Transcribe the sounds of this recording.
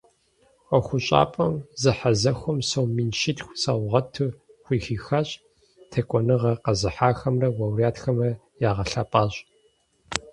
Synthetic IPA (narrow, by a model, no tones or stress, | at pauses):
ɐxʷʊɕʼa̰ːpʼɐmzɨħazɐxʷɔmsɐwmiːnʃɪtxʷsawʁɐtʰɨxʷiːxiːxaɕʼ | tʰɐkʷʼɔnɨʁɐqɐzɨħaːxɐmrɐwɐwrijaːtxɐmrɐ | jaːʁɐɬaːpʼaːɕʼ